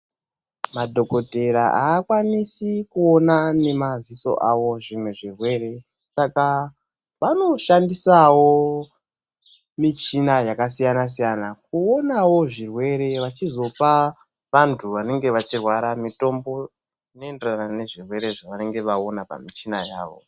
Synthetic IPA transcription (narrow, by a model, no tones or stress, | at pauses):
madʱo̞ko̞te̞ɾaʔaːkwanisikuo̞nane̞maziso̞̰ʔawo̞ʐimweʐirwe̞ːɾe̞ | saka | ʋano̞ʃandisawo̞ | mit͡ʃinajakas̬ijanas̬ijanak̚uo̞nawo̞ʐirwe̞ɾe̞ʋat͡ʃizo̞pa | ʋantʰuʋane̞ŋɡe̞ʋat͡ʃirwaɾamito̞mbo̞ | ino̞enderanane̞ʐirwe̞ɾe̞ʐaʋane̞ŋɡe̞ʋao̞napa̰mit͡ʃinaja̰ːʋo̞̰